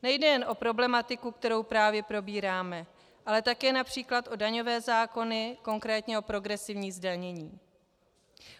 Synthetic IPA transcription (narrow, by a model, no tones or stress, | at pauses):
nɛjdɛjɛnʔo̞pɾo̞blɛmat̪ɪkuk̚t̪ɛɾo̞wpɾaːvjɛpɾo̞biːɾaːmɛ | ʔalɛt̪akɛːnapr̝̥iːklat̪ʔo̞daɲo̞vɛːzaːko̞nɪko̞ŋkɾɛːt̪ɲɛopɾo̞ɡɾɛsɪvɲiːzdaɲɛɲiː